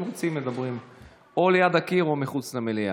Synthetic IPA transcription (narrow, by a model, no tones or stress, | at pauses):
mʁot͡simːed̪abʁim | o̞lejad̪akiʁomiχut͡slamelia̰